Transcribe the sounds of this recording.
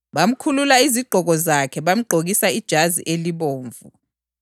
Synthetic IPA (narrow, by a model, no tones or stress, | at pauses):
ɓam̩kʰululaiziɡ͡ǃʱɔk̬ɔzakʰɛɓam̩ɡ͡ǃʱok̬isaid̥ʒ̥ʱazḭʔeliɓoːɱvṵ